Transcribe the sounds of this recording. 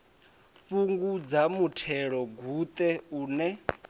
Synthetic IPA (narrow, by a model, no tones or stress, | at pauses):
ɸuŋɡud͡zamutʰɛɺɔɡʱut̪ʼɛuːnɛ